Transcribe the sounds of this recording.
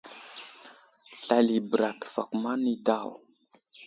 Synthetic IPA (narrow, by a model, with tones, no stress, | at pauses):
ɬa˨li˨bə˨ɾa˨tfa̰˨ku˨ma˦ni˦da˦˨w